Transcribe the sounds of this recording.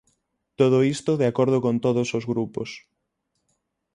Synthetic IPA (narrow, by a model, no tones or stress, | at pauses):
t̪oð̞oist̪oðeakoɾð̞ʊkõnt̪oðosozɣɾupos